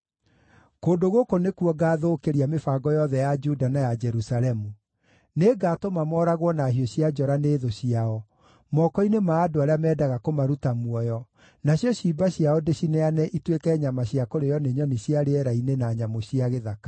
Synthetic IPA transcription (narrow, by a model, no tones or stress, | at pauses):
koːndoɣokonekwɔɡaːðoːkeɾiamefaːɡɔjɔðɛjad͡ʒudanajad͡ʒɛɾusalɛmu | neːɡaːtomamɔɾaɣwɔnaɦiɔɕiad͡ʒɔɾaneːðoɕiaɔ | mɔkɔinemaːdoaɾeamɛːdaɣakomaɾutamwɔjɔ | naɕijɔɕibaɕijaɔdeɕineanɛʔitwekɛɲamaɕjakoɾejɔneɲɔniɕiaɾeɛɾainenaɲamoɕiaɣeðakḁ